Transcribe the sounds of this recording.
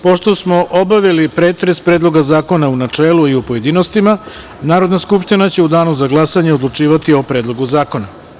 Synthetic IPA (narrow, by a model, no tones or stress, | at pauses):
po̞ʃt̪o̞smo̞ʔobaʋelipɾe̞ːt̪ɾespɾe̞ːd̪lˠo̞ɡazaːko̞naunat͡ʂeːluiupoje̞d̪ino̞st̪ima | naːɾo̞d̪naskupʃt̪inat͡ɕe̞ud̪aːnuzaɡlˠasaɲe̞od̪lˠut͡ʂiːʋat̪io̞pɾeːd̪lˠo̞ɡuzaːko̞na